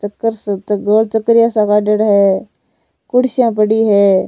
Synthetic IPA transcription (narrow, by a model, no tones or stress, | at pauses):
t͡ʃəkːəɾstɡoːlt͡ʃəkːɾjasakaːɖəɽɦɛː | kʊɽʃjãpəɽiɦɛː